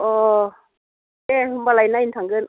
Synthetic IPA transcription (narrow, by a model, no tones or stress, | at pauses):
ʔɔː | ebalajnaint̪ʰaŋɡɯn